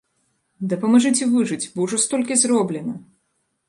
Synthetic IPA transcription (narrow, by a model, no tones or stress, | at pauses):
d̪ɐpɐmɐʐɨt͡sʲivɨʐɨt͡sʲbɔwʐɔst̪ɔlʲkʲizɾɔblʲɛnɐ